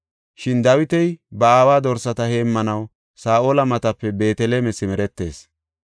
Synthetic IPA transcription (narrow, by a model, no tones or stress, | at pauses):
ʃɪnd̪ɐwɪt̪ɛjbɐaːwaːd̪ɔɾsɐt̪ɐhe̞ːmːɐnɐw | saːʔoːlɐmɐt̪ɐpːɛbe̞ːt̪ɛleːmɛsɪmɛɾɛt̪ːe̞ːs